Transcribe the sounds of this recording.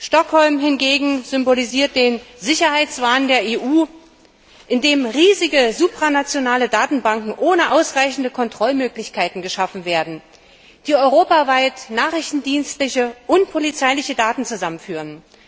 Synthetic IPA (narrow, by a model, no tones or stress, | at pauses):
ʃtɔkhɔlmɦɪnɡeːɡŋ̩zʏmboliziːɐt̚d̥eːnzɪçɐhaɪt͡sv̥aːndeːɐeːʔuː | ʔɪndeːmʁiːzɪɡəzuːpʁ̥anat͡sjonaːlədaːtn̩baŋkŋ̩ʔoːnəʔaʊsʁaɪçn̩dəkʰɔntʁ̥ɔlmøːklɪçkʰaɪtn̩ɡəʃafn̩veːɐdn̩ | d̥iːɔʏʁoːpavaɪtnaːχɪçtn̩diːnstlɪçəʔʊnt̚pʰolit͡saɪlɪçədaːtn̩t͡suzamənfyːʁən